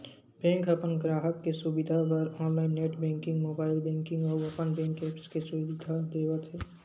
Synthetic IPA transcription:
bɛ̃ːŋkɐpənɡɾaːɦəkːesubɪd̪ʱapɐɾɔ̃ːnlaːɪnːeːʈbɛ̃ːŋkɪ̃ŋɡmoːbaːɪlbɛ̃ːŋkɪ̃ŋɡɔːɾɐpənbɛ̃ːŋkɛːpskesubd̪ʱad̪eːʋət̪ɦɛː

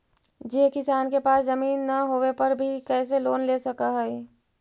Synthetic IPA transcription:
d͡ʒekɪsaːnkepaːszəmiːnːaɦoːʋepɐɾbʱikɛːs̬eloːnlesɐkaɦɛɛ

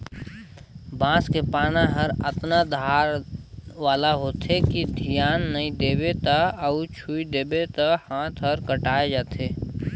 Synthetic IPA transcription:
bãːskepaːnaɦɐɾət̪nad̪ʱaːɾʋaːlaɦoːt̪ekid̪ʱɪjaːnːəĩd̪eːbet̪aəut͡ʃʰuːid̪eːbet̪ahãːt̪ʰɦəɾkəʈaːed͡ʒaːt̪eː

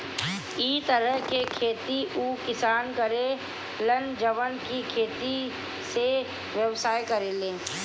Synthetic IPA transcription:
iːt̪əɾəɦkekʰeːt̪iʔuːkɪsaːnkəɾe | lənd͡ʒəʋənkikʰeːt̪i | se | ʋjəwsaːjkəɾelẽː

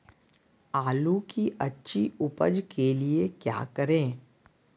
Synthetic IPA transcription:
aːlukiʔɐtːʃʰiʊpə̰d͡ʒkeliekja̰ːkəɾẽː

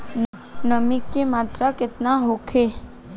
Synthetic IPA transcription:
n | nəmɪkːemaːt̪ɾakɪt̪naɦokʰe

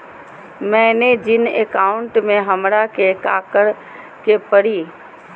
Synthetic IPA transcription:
mɛ̃ːned͡ʒɪneːkaːʊɳʈmẽɦɐmɾakekaːkəɽ | kepəɽiː

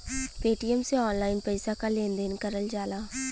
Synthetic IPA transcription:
peːʈijəmseɔːnlaːɪnpəɪsakalẽːnd̪eːnkəɾəld͡ʒaːlaː

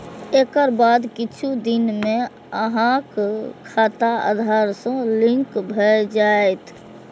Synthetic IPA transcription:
eːkəɾbaːd̪kɪt͡ʃʰud̪ɪnmẽ | əɦãkkʰaːt̪aa̰ːd̪ʱaːɾsə̃lɪ̃ŋkbʱəd͡ʒaːet̪ʰ

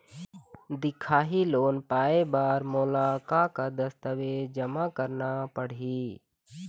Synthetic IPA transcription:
d̪ɪkʰaːɦiloːnpaːebaːɾmoːlaːkakad̪əst̪əʋeːd͡ʒəmakəɾnapəɽ̤iː

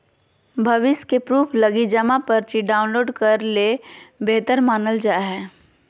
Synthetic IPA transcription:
bʱɐʋɪskepɾuːpʰlɐɡid͡ʒəmapɐɾt͡ʃiɖaːʊ̃nloːɖkɐɾlebeːt̪əɾmaːnəld͡ʒaːɦɛː

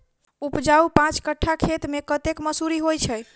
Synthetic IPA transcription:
upd͡ʒaupãt͡ʃkəʈʰːakʰet̪mekət̪ekməsuɾiɦojt͡ʃʰɛj

